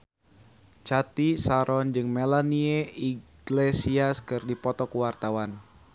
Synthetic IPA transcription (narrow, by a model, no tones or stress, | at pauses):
t͡ʃat̪isaɾɔnd͡ʒɨŋmelanieiɡ̥lesiaskɨrdipɔt̪ɔkuwart̪awan